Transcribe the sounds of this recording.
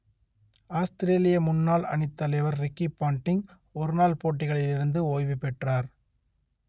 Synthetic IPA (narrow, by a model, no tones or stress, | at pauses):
aːst̪ɪɾeːlɪjɐmʊnːaːlɐ̰ɳɪt̪ːɐlɐɪʋɐɾɾɪkːipːaːɳʈːɪŋ | ɔɾɯnaːlpoːʈːɪɣɐɭɪlɪɾɯnd̪ɯoːjʋɪpːɛʈraːɾ